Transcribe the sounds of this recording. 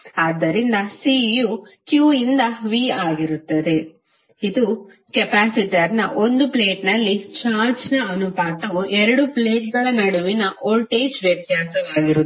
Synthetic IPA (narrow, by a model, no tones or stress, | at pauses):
aːd̪ːɐɾind̪ɐsijukjuːind̪ɐʋiaːɡiɾut̪ːɐd̪e̞ | id̪u | kɛpaːsiʈɐɾnɐʔo̞nd̪uple̞ːʈnɐlːit͡ʃaːɾt͡ʃnɐɐnupaːt̪ɐʋuʔɛɾɐɽupleːʈ̚ɡɐɭɐnɐɽuʋinɐʔoːlʈeːd͡ʒʋjɐt̪jaːsɐʋaːɡiɾu